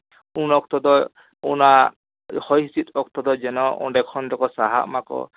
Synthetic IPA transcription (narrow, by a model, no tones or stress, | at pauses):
unɔk̚t̪ɔd̪ɔ | una | hɔjsit̪ɔkt̪ɔd̪ɔd͡ʒɛnɔṵɖekʰɔnʈɔkɔsaɦa̰ʔmakɔ̰